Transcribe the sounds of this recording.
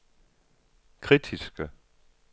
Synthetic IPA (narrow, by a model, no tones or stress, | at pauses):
kʰʁidʰisɡ̥ə